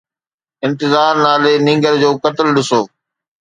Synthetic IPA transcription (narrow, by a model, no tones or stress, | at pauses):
ɪ̃nt̪ɪzaːɾnaːlenɪ̃ːŋɡəɾd͡ʑoːkɐt̪ɪlɗɪsoː